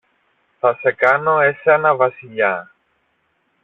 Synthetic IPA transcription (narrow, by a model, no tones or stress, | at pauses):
θɐsekɐnoeseɐnɐvɐsiʎa